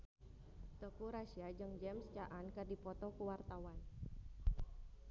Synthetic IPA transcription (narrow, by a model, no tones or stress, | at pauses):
t̪əkuɾasiad͡ʒɨŋd͡ʒɛmst͡ʃaʔankərdipɔt̪ɔkuwart̪awan